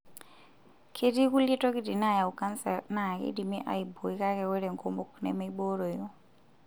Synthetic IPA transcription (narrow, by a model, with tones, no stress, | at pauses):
kʰe˦ti˦ku˦li˦tɔ˦ki˦di˨na˦˨ja˨u˨ka˦nsɛ˨ɾna˦˨kḭ˦di˨mi˦ʔa̰˨i˨bo˨i˦ka˦kɛ˨we˦ɾe˨ŋko˦mbo˨knɛ̰˨ma˦i˦bo˦ɾo˨jo˦